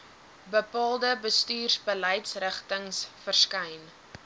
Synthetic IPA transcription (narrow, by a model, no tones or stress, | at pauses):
bəpɑːlˠdəbəstyːrsbələjtsrəχtəŋsfərskɐjn